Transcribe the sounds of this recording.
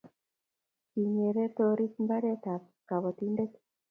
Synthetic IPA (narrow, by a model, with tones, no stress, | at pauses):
ki˨ɲe˨ɾe˦t̪o˧ɾi˦t̪mba˦ɾe˦t̪a˨k | ka˨βo˨t̪ind̪e˦t̪